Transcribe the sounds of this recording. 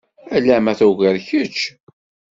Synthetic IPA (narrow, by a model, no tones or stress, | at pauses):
ælæmæθuʝəɾçət͡ʃː